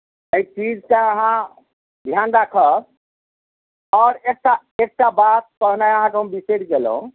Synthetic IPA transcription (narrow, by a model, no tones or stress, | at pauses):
eit͡ʃid͡ʒkaəɦã | d̪ʱjanɾakʰə | ɔɾek̚ʈa | ek̚ʈabat̪̚kəɦnaeəɦãkeɦəmbiseɖɡel̰ɦṵ̃